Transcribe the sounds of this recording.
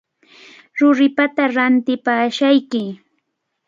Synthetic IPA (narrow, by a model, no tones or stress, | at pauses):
ɾʊɾɪpat̪aɾant̪ɪpaːʃajkɪ